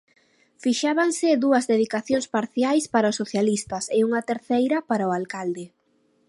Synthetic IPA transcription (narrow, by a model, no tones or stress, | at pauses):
fiʃaβaŋsɪðuɐzðeðikaθjoŋspaɾθjajspaɾaʊsoθjalist̪ɐsɪuŋɐt̪eɾθejɾɐpaɾaʊalkald̪ɪ